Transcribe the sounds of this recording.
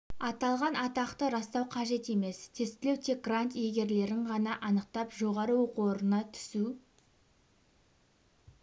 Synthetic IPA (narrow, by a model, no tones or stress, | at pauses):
ɑt̪ɑlˠʁɑnɑt̪ɑqt̪əɾɑst̪ɑwqʰɑʒe̞t̪e̞me̞st̪ʰe̞st̪ɪle̞wt̪ʰe̞k̚ɡrant̪jeɡʲe̞ɾle̞ɾɪŋʁɑnɑʔɑnəq̚t̪ɑpʒo̞ʁɑɾəwo̞quoɾənɑt̪ʰʏ̥su